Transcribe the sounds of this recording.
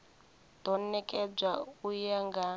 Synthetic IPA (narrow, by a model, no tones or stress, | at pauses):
d̥ɔnɛkʼɛb͡ʐaujaŋɡa